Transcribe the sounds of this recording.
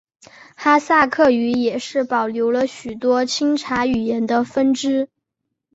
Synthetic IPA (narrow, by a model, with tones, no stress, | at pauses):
xa˥sa˥˧kʰɤ˥˩y˧˥jɛ˨˩ʂɻ̩˥˩pɑ˨˩ʊljo˧˥ʊlə˧ɕy˨˩t̪wɔ˥t͡ɕʰi˥ŋʈ͡ʂʰa˧˥y˨˩jɛ˧˥nd̪ə˧fə˥nʈ͡ʂɻ̩˥